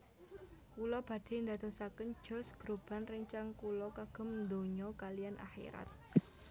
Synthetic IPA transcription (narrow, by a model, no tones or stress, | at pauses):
kulɔb̥ä̤d̪̥e̤nd̪a̤t̪osakən̥d͡ʒʒ̥ɔ̤sɡ̥ɾob̥a̤nrəɲt͡ʃaŋkulɔkaɡ̥ə̤mnd̪oɲɔkalijanʔa̰xḭɾa̰t̪̚